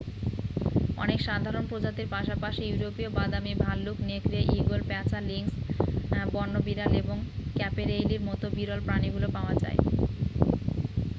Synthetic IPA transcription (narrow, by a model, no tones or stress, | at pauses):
ɔ̰nekʃad̪ʱaɾonpɾod͡ʑat̪iɾpaʃapaʃijuɾopiobad̪amibʱalːukneekɾieʔiɡolpɛt͡ɕaliŋs | bɔnːobiɾaleboŋkɛpeɾejliɾmɔt̪obiɾɔlpɾaniɡulopaoad͡ʑa̰e